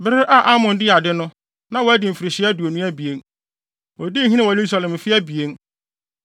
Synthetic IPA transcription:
bɪ˦ɾɪ˦ʔa˦˨ʔa˦mʊ̃˨ndɪ˦a˨dɪ˦nʊ̃˦ | nã˦wɔ˨˦æ˦dɪ˨m̩˨fɪ˨ɾɪ˨ɕɪ˦æ˦du˨o˨nũ˦æ˦bi˨e˨n | wɔ˨di˦˨ɦĩ˦nɪ̃˦wɔ˨lu˦s̬a˨lɛ̃˨m˨fɪ˦æ˦bi˨e˦n

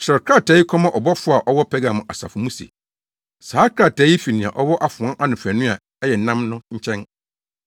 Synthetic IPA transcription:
ɕɾkʰɾa˦˨tʰɛ˨˦ji˦kʰɔ̃˦mã˦˨ʔɔ˨bɔ˦fʊ˦a˨ʔɔ˦wɔ˦pʰɛ˦ɡa˨mʊ̃˨ʔa˨sa̰˨fʊ˨mũ˦sḛ˨ | saː˨˦kʰɾa˨tʰɛː˨˦i˦fi˨nɪ̃˨a̰˨ʔɔ˦wɔ˦ʔa˨fʊ̃˨ã˦ʔa˦nʊ̃˨fæ˨nʊ̃˦a˨ | ɛ˦jɛ˨n˨nã˦mnʊ̃˦ɲ̩˦t͡ɕʰɛ̃˦n

